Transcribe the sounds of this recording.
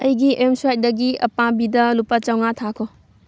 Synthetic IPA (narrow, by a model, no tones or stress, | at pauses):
ɐjɡiʔemsuajt̚dɐɡiɐpabidɐlupat͡ʃɐwŋatʰakʰɔ